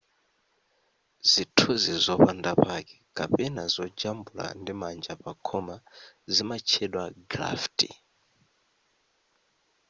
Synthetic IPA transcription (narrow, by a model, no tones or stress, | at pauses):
zitʰuzizɔpandapakɛ̥kapɛnazɔd͡ʒambula̰ndimand͡ʒapakʰɔmazimat͡ʃʰɛɗwaɡɾa̰fti